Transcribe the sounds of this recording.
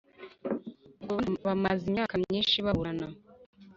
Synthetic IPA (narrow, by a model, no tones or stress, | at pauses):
aβanβamazimɲaːkamɲiːnʃiβaβuɾana